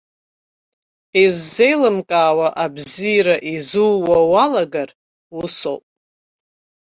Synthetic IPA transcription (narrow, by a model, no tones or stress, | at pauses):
ezːe̞jlɨmkʼaːwaʔabziːɾaʔizuːawalaɡar | wʊso̰wpʼ